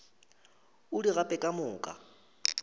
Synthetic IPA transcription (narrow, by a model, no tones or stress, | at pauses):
ʊdiɣapʼɛkʼamʊːkʼa̰